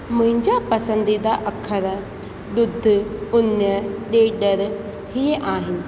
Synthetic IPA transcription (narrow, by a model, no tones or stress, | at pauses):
mʊ̃ɦɪ̃ɲd͡ʒapɐsə̃nd̪id̪aʔɐkʰːəɾ | d̪ʊd̪ʱːʊnjəɗeːɗəɾ | ɦieʔaːɦɪnɪ